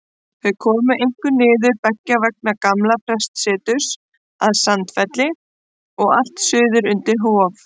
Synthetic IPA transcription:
θœðkʰɔːmʏʔejŋ̥kʏnɪːðʏɾpɛcːavɛk̚nakamlapʰɾɛst̪sɪːt̪ʏs | aðsant̪fɛt̪lɪ | ɔɣa̰l̥t̪sʏːðʏɾʏnt̪ɪɾ̥ɦoːf

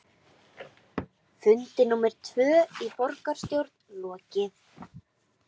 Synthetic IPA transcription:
fʏnt̪ɪnumɛɾ̥t̪ʰvœːifɔrkaɾ̥st̪jowɾt̪nlɔːcɪθ

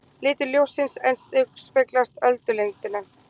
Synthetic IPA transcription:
lɪːt̪ʏljowsɪnsejnst̪ʏkspɪklast̪œlt̪ʏleŋt̪ɪna

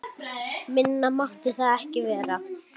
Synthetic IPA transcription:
mɪnːamaht̪ɪθaðɛhcɪvɛːɾa

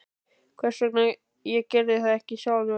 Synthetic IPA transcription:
kʰvɛr̥sɛkna | jɛcɛɾðɪθaðɛhcɪɕaːwðʏ

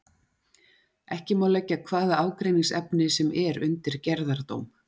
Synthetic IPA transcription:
ɛhcɪmaːwlɛcːakʰvaːðaaːwkɾejniŋsɛpnɪsɛmɛɾʏnt̪ɪɾ̥cɛɾðaɾ̥t̪o̰ːwm

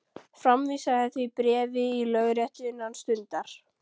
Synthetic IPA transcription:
fɾamvisaθɛθɪpɾɛːvɪilœɣɾjɛht̪ɪɪnːanst̪ʏnt̪aɾ̥

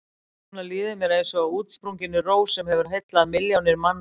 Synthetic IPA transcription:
nalɪːðɪmjɛɾejnsɔːwuːt̪spɾuŋɲcɪnːʏroːwsɛmhɛvʏɾ̥ɦejt̪laðmɪljawnɪɾmanː

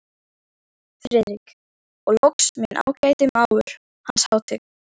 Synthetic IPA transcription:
fɾɛːðɾik | ɔɣlɔksmjɛnʔa̰ːwcaːjt̪ɪmaːwʏɾ̥ | hanshaːwt̪ɪ

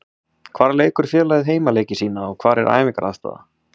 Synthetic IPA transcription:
kʰv̥aːɾleːjkʏɾ̥fjɛːlaːjðɪɦeːjmaleːjcɪsiːnaɔɣkʰvaːɾɛɾʔa̰ːjvɪŋkaɾʔa̰ðst̪a̰ːða̰

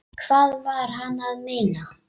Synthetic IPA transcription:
kʰv̥aːðvaɾ̥ɦanːaðmeːna

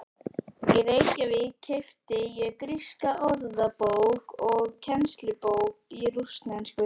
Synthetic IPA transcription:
jɛðeːjcavɪðcʰejft̪ɪjɛɣkɾiskaʔɔɾðapowkɔɣcʰɛnst̪lʏpowk̚irust̪nanskʏ

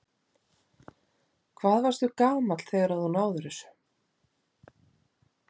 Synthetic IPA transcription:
kʰvaːðvaɾ̥st̪θʏkaːwmat̪l̥θeːjɣaɾaðθunaːwðʏɾʏsʏ̥

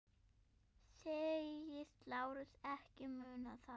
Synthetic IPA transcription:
seːjɪst̪laːwɾʏsɛhcɪmʏːnaθa

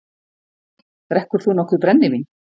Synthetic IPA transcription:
ɾɛhkʏɾ̥θunɔhkvʏɾpɾɛnːɪmin

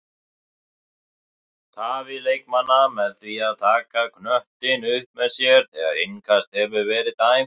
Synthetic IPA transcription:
t̪ʰaːvɪlejk̚manːamɛðθviaðt̪ʰaːkakʰnœht̪ɪnʏhpmɛðsjɛɾ̥θɛːɣa̰ɾeŋkʰast̪̚hɛvʏvɛːɾɪðt̪aːj

